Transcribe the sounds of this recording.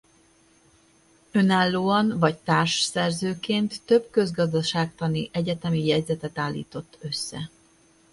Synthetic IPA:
ø̞naːlːoːɒnvɒct̪aːrʃsɛrzøːkeːnt̪ːø̞bkø̞zɡɒzd̪ɒʃaːk̚t̪ɒniʔɛɟɛt̪ɛmijɛɟzɛt̪ɛt̪aːlːḭːt̪o̞t̪ːø̞sːɛ̰

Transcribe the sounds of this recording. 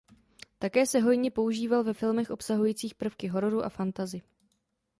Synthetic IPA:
t̪akɛːsɛɦo̞jɲɛpo̞uʒiːvalvɛfɪlmɛxʔo̞psaɦujiːt͡siːxpr̩fkɪɦo̞ɾo̞ɾuʔa̰fant̪azɪ

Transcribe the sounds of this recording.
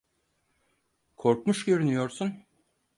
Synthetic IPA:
kʰo̞ɾkmuʃɟø̞ɾynyjo̞ɾsun

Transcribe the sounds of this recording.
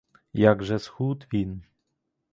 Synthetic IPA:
jaɡʐɛsxut̪vʲin

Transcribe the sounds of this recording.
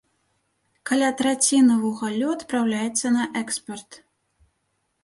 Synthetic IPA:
kalʲat̪ɾat͡sʲinɐvuɣalʲuɐt̪pɾawlʲajɛt̪sːɐnɐʔɛkspɐrt̪

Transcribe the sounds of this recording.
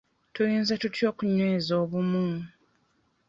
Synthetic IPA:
tujiːnzetutjo̞ːkuɲweːzo̞ːβumu

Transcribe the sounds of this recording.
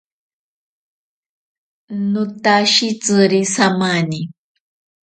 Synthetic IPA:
nut̪aʃit͡sɨɾisamani

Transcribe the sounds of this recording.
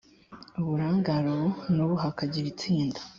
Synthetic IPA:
uβuɾaːŋɡaɾoβunuβuɦakaɟiɾit͡siːndḁ

